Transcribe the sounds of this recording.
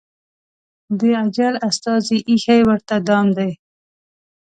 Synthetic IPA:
d̪əad͡ʒalast̪ɑziʔixajwəɾt̪ad̪ɑmd̪aj

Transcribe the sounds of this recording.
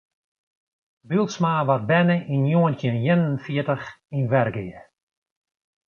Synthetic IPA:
bilˠtsmaːʋar̚bɛnəʔinjoəntɪnjɪnənfɪətəxinʋɛrɡɪjə

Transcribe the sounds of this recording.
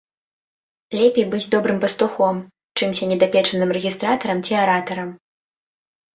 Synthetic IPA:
lʲɛpʲejbɨd͡zʲd̪ɔbɾɨmpɐst̪uxɔm | t͡ʂɨmsʲɐnʲɛd̪apʲɛt͡ʂɐnɨmrɛɣʲist̪ɾat̪ɐɾɐmt͡sʲiaɾat̪ɐɾɐm

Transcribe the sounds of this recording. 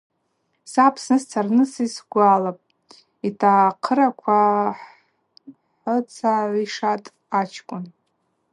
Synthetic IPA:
sapʰsnɨst͡sʰarnɨsisɡʷalapʼ | itʰaqʰəɾakʷʰaħ | ħət͡sʰaʕʷiʂatʼ | at͡ʃʰkʷʼʊn

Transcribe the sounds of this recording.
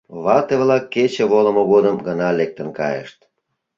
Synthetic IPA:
βɑt̪eβlɑkːet͡ɕeβolə̆moɣod̪əmɡənɑlek̚t̪ənkɑjḛʃt̪

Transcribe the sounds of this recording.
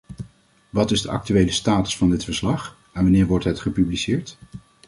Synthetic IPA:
ʋɑtɪzdəʔɑ̰k̚tyʋejləstaːtə̥sfɑndɪtfəɹslɑχ | ɛnʋɑnɪːɹʋɔɹtɦɛtχəpyblisɪːɹt

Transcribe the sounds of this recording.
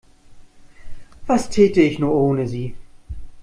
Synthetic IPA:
v̥astʰɛːtəɪçnuːɐʔoːnəziː

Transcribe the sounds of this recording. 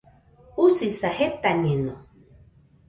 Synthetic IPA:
usisahet̪aɲeno

